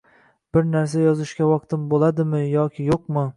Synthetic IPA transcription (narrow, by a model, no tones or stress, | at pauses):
b̥ɪɾnaɾs̬ajɒzɪʃkʲawɒqt̪ʰɪmbolˠad̪ɪmɪjɒkʲʰɪjoq̚mɨ